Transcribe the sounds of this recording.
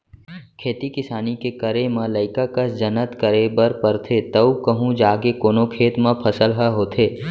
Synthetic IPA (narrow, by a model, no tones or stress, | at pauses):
kʰeːt̪ikɪsaːnikekəɾemãləɪkakəsd͡ʒənət̪kəɾebəɾpəɾt̪ʰet̪əukəɦũd͡ʒaːɡekoːnokʰeːt̪mãpʰəsəlɦəɦoːt̪ʰeː